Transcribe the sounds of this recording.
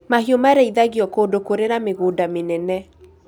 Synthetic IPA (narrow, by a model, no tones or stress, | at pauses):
maɦiomaɾɛiðaɣiɔkoːdokoɾeɾameɣoːdamenɛnɛ